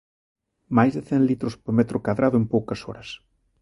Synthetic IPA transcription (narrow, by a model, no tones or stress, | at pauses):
majzðɪθenlit̪ɾʊspoɾmɛt̪ɾʊkaðɾaðʊempowkɐsɔ̰ɾɐs